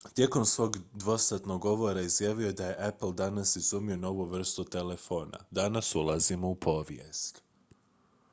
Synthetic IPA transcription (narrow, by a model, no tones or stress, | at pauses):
t̪je̞ko̞msʋo̞ːɡd̪ʋo̞st̪at̪no̞ɡːo̞ʋo̞ɾaizjaːʋiod̪aje̞ʔapl̩ˠd̪anasizumio̞no̞ʋuʋr̩st̪ut̪e̞le̞fo̞ːna̰d̪anasulˠazimo̞upʰo̞ʋjḛst̪